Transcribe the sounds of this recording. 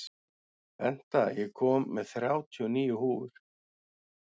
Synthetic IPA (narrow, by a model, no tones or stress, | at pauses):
ɛn̥t̪ajɛɣkʰɔːmːɛðθɾjaːwt̪ʰiɔniːjʏhuːʏɾ̥